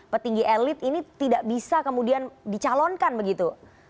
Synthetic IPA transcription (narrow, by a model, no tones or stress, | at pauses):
pərt̪iŋɡiʔelɪt̪init̪idaʔbisakəmudiandit͡ʃalɔnkanbəɡit̪u